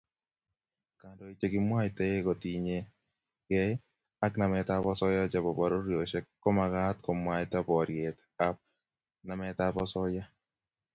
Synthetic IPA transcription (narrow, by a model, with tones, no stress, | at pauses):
ka˨ndo˨i˨t͡ʃe˨kɪ˨mwa˦ɪtɛ˦e˦ko˨ti˨ɲe˦ | kɛ˦ | a˦kna˨mɛ˨ta˦pɔ˦sɔ˦ja˦d͡ʒa˨bɔ˨bɔ˨ɾo˦ɾjo˨ʃɛ˦kːɔ˦ma˨ka˦t̪̚ko˨mwa˦ɪta˦pɔ˨ɾje˨t̪ | a˦p̚ | na˨mɛ˦t̪a˦pɔ˦sɔ˦ja˦